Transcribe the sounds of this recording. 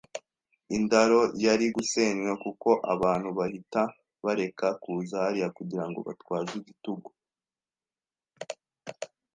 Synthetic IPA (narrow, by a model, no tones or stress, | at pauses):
indaɾo̞jaɾiɡuse̞ːɲwekuko̞ʔaβaːn̥huβahita | βaɾe̞kakuːzaɾijakuɟiɾaŋɡo̞̰βa̰twaːziɟituɡo